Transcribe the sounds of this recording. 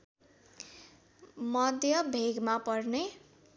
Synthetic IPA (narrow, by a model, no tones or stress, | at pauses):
mʌd̪ʱjʌbʱeɡmapʌrne